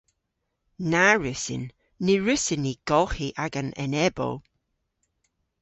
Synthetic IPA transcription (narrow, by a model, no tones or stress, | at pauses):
naɹɪsɪ̰nː | iɹɪsɪniɡ̥ɔlˠxiʔaɡanɛ̰nɛbɔ̰lˠ